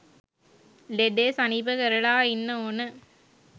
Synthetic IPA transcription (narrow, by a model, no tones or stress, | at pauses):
leɖeːsɐniːbəkɐɾɐɭaːinːəoːnə